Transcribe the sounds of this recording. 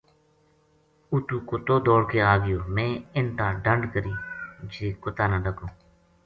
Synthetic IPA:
ʊt̪uːkot̪oːd̪oːɽkeːaːɡɪjoːmẽːɪɳʈãːɖəɳɖkəɾiːd͡ʒeːkʊt̪aːnãːɖəkõː

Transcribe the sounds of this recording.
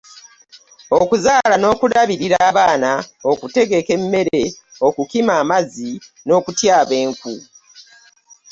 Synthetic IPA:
okuzaːlano̞ːkuɾaβiɾiɾaːβaːnao̞kute̞ɡe̞ke̞mːe̞ɾe̞o̞kukimaːmazi | no̞ːkutjaːβe̞ːŋku

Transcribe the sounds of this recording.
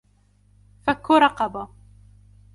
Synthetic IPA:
fakːʊɾˤɑqɑba

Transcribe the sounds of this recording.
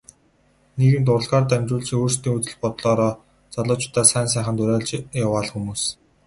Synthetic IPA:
neɣɘ̆nt̪ʊr̆ɮʁaːrt̪ːæmʲt͡ɕʊːɮt͡ɕĭŋoːrst̪iːŋut͡sɘ̆ɮpɔt̪ɮɔːɾɔː | t͡saɮʊːt͡ɕʊ̥t̪aːsæːns̬æːχə̆nt̪ʊɾæːɮt͡ɕjawaːɮxumuːs

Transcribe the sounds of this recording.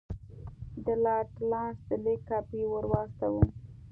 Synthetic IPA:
d̪əlɑʈlɑsd̪əlekːɑpiwəɾwɑst̪awu

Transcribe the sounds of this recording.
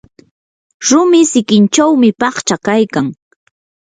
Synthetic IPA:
ɾʊmɪsɪkɪnt͡ʃawmɪpɑχt͡ʃakajkaŋ

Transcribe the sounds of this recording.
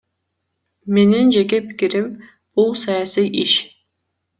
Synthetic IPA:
me̞nind͡ʒeɡepi̥kʲiɾim | b̥ulˠsajasijʔiʃ

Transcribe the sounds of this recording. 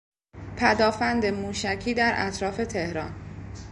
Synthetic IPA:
pʰæd̪ɒːfænd̪emuːʃæcʰiːd̪æɾʔæ̰t̪ʰɾɒːfe̞t̪ʰe̞hɾɒ̰ːn

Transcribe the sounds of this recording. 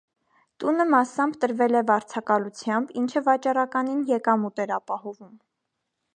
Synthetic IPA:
t̪unəmɑsɑmbt̪əɾvɛlɛvɑɾt͡sʰɑkɑlut͡sʰjɑmbint͡ʃʰəvɑt͡ʃɑɾɑkɑninjɛkɑmut̪ɛɾɑpɑhɔvum

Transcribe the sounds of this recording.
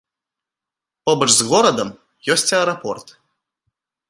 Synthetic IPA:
pɔbəʐzɣɔɾɐd̪əm | jɔsʲtʲɐɛɾɐpɔrt̪

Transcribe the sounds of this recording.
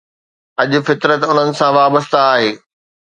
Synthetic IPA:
ɐʄʊ̆fɪt̪ɾət̪ʊn̤ənɪ̆sãʋaːbəst̪aːɦeː

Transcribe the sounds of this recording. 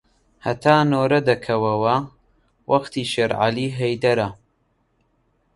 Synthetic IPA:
hɐ̰t̪ʰaːnoːɾɐd̪ɐkʰɐwɐwɐ | wɐxt̪iːʃeɾʕa̰liːɦejd̪ɐɾɐ

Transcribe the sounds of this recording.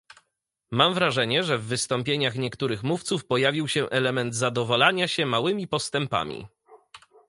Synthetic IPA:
mamvɾaʐɛɲɛʐɛvːɘst̪ɔmpʲjeɲaxɲɛkt̪uɾɘxmuft̪sufpɔjavʲiwɕɛʔɛlɛmɛnd̪zad̪ɔvɔlaɲaɕɛmawɘmʲipɔst̪ɛmpa̰mʲḭ

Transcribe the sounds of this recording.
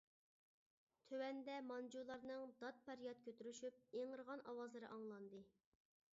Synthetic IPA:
t̪ʰøwɛnd̪ɛmɑnd͡ʒulˠɑɾnɨŋd̪ɑt̪̚pæɾjɑt̪̚kʲʰøt̪yɾyʃyp̚eŋəɾʁɑnɑwɑzlˠɨɾɨ̰ʔɑŋlˠɑnd̪ɨ

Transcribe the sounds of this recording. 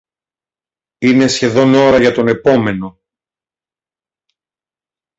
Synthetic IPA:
ine̞sçe̞ðo̞no̞ɾɐʝɐt̪o̞ne̞po̞me̞no̞

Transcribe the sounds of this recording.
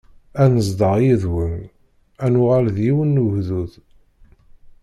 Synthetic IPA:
ænəzd̪əʁjiðwən | ænʊʁalðjiwənːuʝðuð

